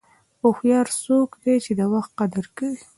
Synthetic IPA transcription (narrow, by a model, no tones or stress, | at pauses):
oxjɑɾsokd̪et͡ʃed̪awaxt̪̚qad̪aɾkawi